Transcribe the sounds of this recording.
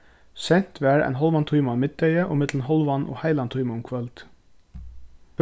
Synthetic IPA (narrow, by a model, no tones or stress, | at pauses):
sɛn̥t̪ʋæːɹæ̰ɪnɦɔlʋɑnt̪ʰuʏmamɪt̪̚d̪ɛɪəʔɔ̰mɪt̪ln̩ɦɔlʋɑnʔɔ̰ːhæɪlɑnt̪ʰuʏməʊmkʰʋœlt̪